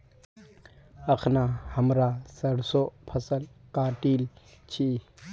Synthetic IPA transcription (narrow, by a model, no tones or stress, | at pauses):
əkʰnahɐmɾasəɽsopʰəsəlkaːʈiːl | t͡ʃʰi